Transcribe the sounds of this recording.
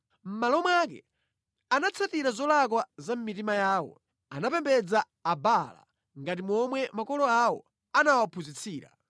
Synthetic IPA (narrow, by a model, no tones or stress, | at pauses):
m̩malɔmwak̬ɛ̰ | anat͡sʰatiɾazɔlak̬wazam̩mitimajaːwɔ̰ | anapɛmbɛd͡zaː | bala̰ | ŋɡat̬imɔmwɛmakɔlɔawɔ̰ | anawapʰuzit͡sʰiːɾa̰